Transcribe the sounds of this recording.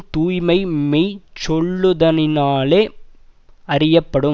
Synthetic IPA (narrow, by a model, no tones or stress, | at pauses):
t̪uːjmɐɪmeːt͡ʃːɔɭːɯðɐnɪnaːleː | ɐɾɪjɐpːɐɽɯ